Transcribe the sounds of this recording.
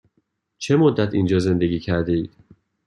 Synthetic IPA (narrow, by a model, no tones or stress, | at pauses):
t͡ʃʰe̞mod̪ːæt̪ʰind͡ʒɒːze̞nd̪eɡʲiːcʰæɾd̪eiːd̪̥